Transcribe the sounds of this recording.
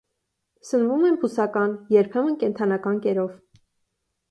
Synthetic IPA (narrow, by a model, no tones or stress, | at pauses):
sənvumɛmpʰusɑkɑnjɛɾpʰɛmənkɛnt̪ʰɑnɑkɑnkɛɾɔv